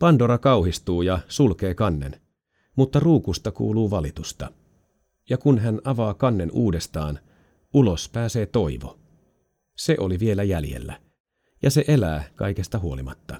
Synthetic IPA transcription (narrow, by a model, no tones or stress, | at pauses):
pɑndoɾɑkɑwhist̪uːjɑsulke̞ːkɑnːḛn | mut̪ːɑruːkust̪ɑkṵːluːʋɑlit̪ust̪ɑ | jɑkunɦænɑʋɑːkɑnːe̞nʔuːde̞st̪ɑːn | ulo̞spæːse̞ːt̪o̞iʋo̰ | se̞ʔo̞liʋie̞læjæljḛlːæ̰ | jɑse̞ʔe̞læːkɑ̰jkest̪ɑɦuo̞limɑ̰t̪ːɑ